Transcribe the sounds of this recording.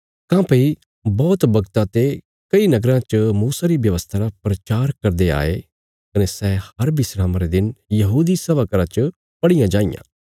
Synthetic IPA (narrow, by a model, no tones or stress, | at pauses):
kãːpei | bɔːt̪bɐɡt̪ãt̪e | kɐinɐɡɾãt͡ʃəmuːsaɾibjɐʋəst̪ʰaɾapɾɐt͡ʃaːɾkɐɾd̪ea̰ːḛ | kɐnesɛːhɐɾbɪsɾãːmaɾed̪ɪnjɐɦuːd̪isɐʋakɐɾãt͡ʃə | pɐɽijãd͡ʒãːijã̰ː